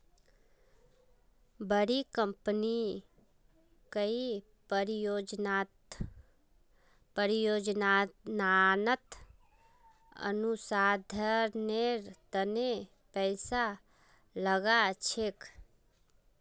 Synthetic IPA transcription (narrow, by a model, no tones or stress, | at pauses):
bəɽikə̃mpni | kəi | ɾod͡ʒ | pəɾijod͡ʒnnanət̪ | ə̰nusad̪ʱəɾneɾt̪əne | pəɪsa | ləɡat͡ʃʰek